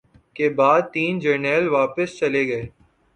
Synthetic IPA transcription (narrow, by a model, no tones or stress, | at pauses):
kebaːd̪̚t̪iːnd͡ʒenɛːlʋaːpəst͡ʃɐleɡɐeː